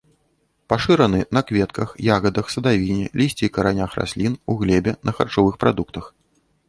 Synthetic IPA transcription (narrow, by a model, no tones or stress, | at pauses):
paʂɨɾɐnɨnɐkvʲɛt̪kʰɐxjaɣɐd̪ɐxsɐd̪avʲinʲɛlʲisʲt͡sʲikɐɾanʲaxra̰sʲlʲinuɣlʲɛbʲɛnʔɐxa̰rt͡ʂɔvɨxpɾa̰d̪ukt̪ɐx